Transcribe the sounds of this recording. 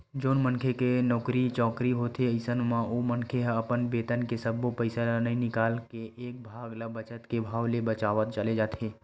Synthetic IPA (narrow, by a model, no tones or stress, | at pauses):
d͡ʒoːnmənkʰekenɔːkɾit͡ʃɔːkɾiɦoːt̪ʰeəɪsənmãʔoːmənkʰeɦəpənbeːt̪ənkesəbopəɪsanĩnɪkaːlkeʔeːk̚bʱaːɡlabət͡ʃət̪kebʱaːwlebət͡ʃaːʋət̪t͡ʃəled͡ʒaːt̪ʰeː